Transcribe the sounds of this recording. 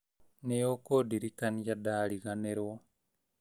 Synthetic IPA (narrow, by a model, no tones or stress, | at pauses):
nejokodiɾikanijadaːliɣaneɾwo